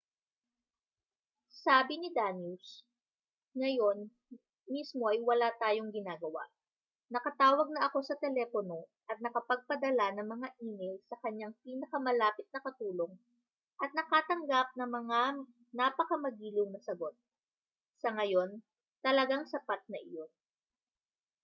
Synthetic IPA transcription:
saːbɪnɪd̪anjus | ŋɐjo̞n | mismo̞ʔɐjwɐlat̪aːjo̞ŋɡɪnaːɡɐwa̰ʔ | nɐkɐt̪aːwɐɡ̚nɐʔɐko̞sɐt̪ɛlɛːpono̞ʔɐt̪̚nɐkɐpɐɡ̚pɐd̪ɐlanɐŋmɐŋaʔiːmɛjlsɐkɐɲjaŋpiːnɐkɐmɐlaːpɪt̪̚nɐkɐt̪uːlo̞ŋ | ʔɐt̪̚nɐkaːt̪ɐŋɡap̚nɐŋmɐŋa | naːpɐkɐmɐɡiːlʊwŋnɐsɐɡo̞t̪̚ | sɐŋɐjo̞n | t̪ɐlɐɡaŋsɐpat̪̚nɐʔɪjo̞n

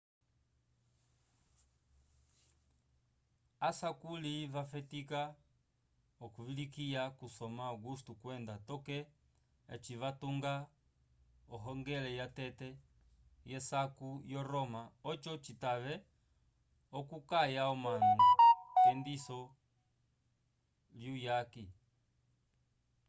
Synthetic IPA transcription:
asakulivafɛtika | ɔkuvilikiakusɔmaaɡustukwɛndatɔkɛ | a̰t͡ʃivatuŋɡa | ɔɦɔŋɡɛlɛjatɛtɛ | jɛsakujɔɾɔmaɔt͡ʃɔt͡ʃitaβɛ | ɔkukajaɔmanɔkɛndisɔ | ljujaki

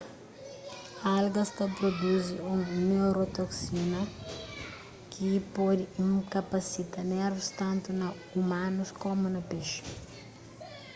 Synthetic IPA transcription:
alɡɐst̪ɐpɾod̪uziũnewɾot̪oksinɐ | kʰipɔd̪ɪĩkɐpɐsit̪ɐnɛɾvust̪ɐ̃nt̪unɐ | umãnuskomunɐpeʃu̥

